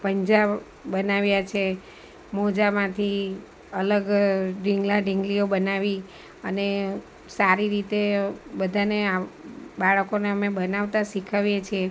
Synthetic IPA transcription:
pəɲd͡ʒab | bənaʋjat͡ʃʰe | mɔd͡ʒamãt̪ʰi | ələɡɖiŋɡlaɖiŋɡliobənaʋi | əne | saɾiɾit̪ebəd̪ʱaneabaɭəkoneəmebənaʋt̪aʃikʰaʋjet͡ʃʰie

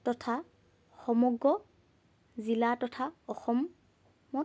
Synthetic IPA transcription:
tɔtʰa | xɔmɔɡɹɔ | zilatɔtʰaɔxɔmː | ɔ

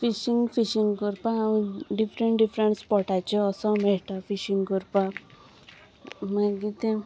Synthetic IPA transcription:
fiʃiŋɡfiʃiŋɡkuɾpãɖifɾeɳʈɖifɾeɳʈspɔʈat͡ʃɔɔsɔmeʈafiʃiŋɡkuɾpa | mãɡit̪ẽ

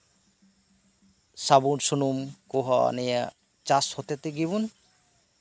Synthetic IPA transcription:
sabunsunumkuɦɔ̰nɛja | t͡ʃashɔt̪et̪eɡibun

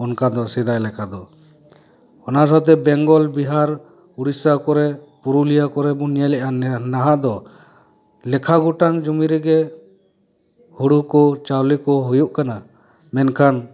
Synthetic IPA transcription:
ɔnkad̪ɔsɛd̪ajlɛkʰad̪ɔ | ɔnasat̪̬ɛbɛŋɡɔlbiɦaɾ | uɽisakɔɾɛ | puɾulijakɔɾɛbɔnjalɛʔanaɦaʔd̪ɔ | lɛkʰaɡuʈaŋd͡ʒumiɾɛɡɛ | huɽukɔt͡ʃawlikɔɦujuʔkana | mɛnkʰan

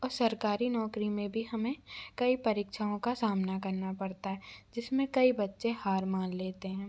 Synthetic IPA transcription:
ɔːɾsɐɾkaːɾinɔːkɾimẽbʱiɦɐmẽkɐipɐɾiːkʃʰaõkasaːmnakɐɾnapɐɽt̪aɦɛːd͡ʒɪsmẽkɐibɐtːʃehaːɾmaːnleːt̪eɦɛ̃ː

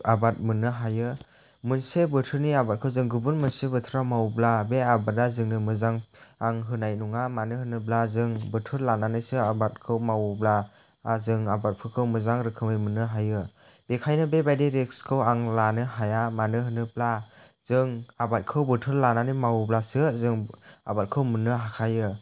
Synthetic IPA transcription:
abat̚mɯnɯɦajɯ | mɯnsebɯtʰɯɾniabat̚kʰɯwzɯŋɡɯbɯnmɯnsebɯtʰɾamawblabeabadazɯŋnɯmɯzaŋaŋɦɯnajnuŋamanɯɦɯnɯblazɯŋbɯtʰɯɾlananɯsɯabat̚kʰɯwmawblaː | zɯŋabat̚pʰɯkʰɯwmɯzaŋɾɯkʰɯmɯjmɯnːɯɦajɯ | b̥ekʰajnɯbebajdeɾek̚skʰɯwaŋlanɯɦajamanɯɦɯnɯbla | z̥ɯŋabat̚kʰɯwbɯtʰɯɾlananɯmawblasɯzɯŋa̰bat̚kʰɯwmɯnːɯɦakʰajɯ

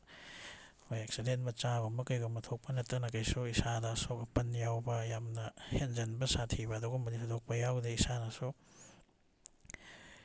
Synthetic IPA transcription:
hojek̚sidentmɐt͡ʃabɐmɐkɐjɡɐmːɐtʰok̚pɐnɐtːɐnɐkɐjsuisadaːsokɐpɐnjawbɐjamnɐhend͡ʒɐnbɐsatʰibɐːduɡɐmɐditʰɐdok̚pɐjawdeisanaso

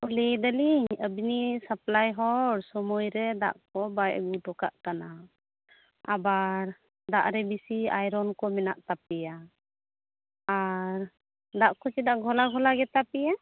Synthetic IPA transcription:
ulid̪əliɲəbinisəplajɦɔɽsɔmɔjɾɛd̪a̰ʔkɔbajʔɡuʈɔka̰ʔkana | abaɾ | d̪aʔɾɛbisiajɾɔnkɔmɛnaʔt̪ap̚ija | ɾ | d̪aʔkɔt͡ʃid̪aʔɡʱɔlaɡʱɔlaɡɛt̪apija

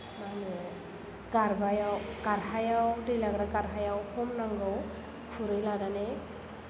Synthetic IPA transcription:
manɯ | ɡaɾbajawkaɾhajawdɯjlaɡɾakaɾɦajawkʰɔmnaŋɡɯw | kʰuɾɯjladane

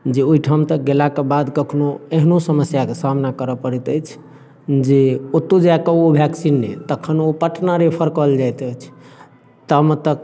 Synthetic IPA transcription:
d͡ʒeoiʈʰamt̪ək̚ɡelakebad̪kəkʰnoeɦnosəməsjakesamnakəɾəpəɾit̪əjt͡ʃʰ | d͡ʒeot̪ːod͡ʒakeobʱɛksinːḛt̪əkʰənopəʈnaɾepʰəɾkəld͡ʒajt̪əjt͡ʃʰ | t̪əmt̪ək̚

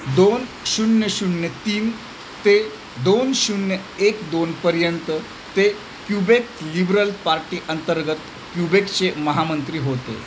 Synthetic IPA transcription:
d̪on | ɕuɳːjəɕuɳːjət̪iːn | t̪e | d̪onɕuɳjəekd̪onpəɾjənt̪ə | t̪e | kjubeklibɾəlpaɾʈiːʔənt̪əɾɡət̪ | kjubekt͡ɕeməɦamənt̪ɾiːɦot̪ḛ

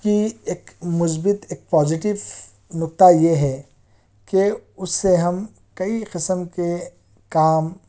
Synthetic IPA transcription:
kieːkmʊs̬bɪt̪eːk̚pɔːzɪʈɪʋ | nʊkt̪ajeɦɛ | keʊsːeɦɐm | kɐiqɪsəmke | kaːm

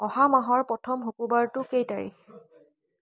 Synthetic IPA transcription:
ɔhamaɦɔɹpɔtʰɔmɦokubaɹtʊkejtaɹḭx

